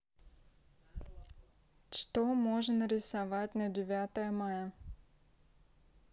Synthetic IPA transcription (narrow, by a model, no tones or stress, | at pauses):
t͡ʃt̪ɔmɔʐənəɾʲɪsɐʋatʲnɐdʲɪʋʲat̪əjəmajə